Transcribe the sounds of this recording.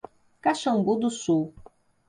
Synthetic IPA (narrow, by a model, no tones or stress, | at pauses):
kaʃɐ̃ŋɡud̪ʊsuw